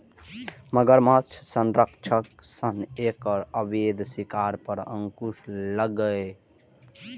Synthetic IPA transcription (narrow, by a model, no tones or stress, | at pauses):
məɡəɾmat͡ʃʰsənɾəkt͡ʃʰəksənekəɾəbed̪sikaɾpəɾə̰̃ŋkuʃləɡəe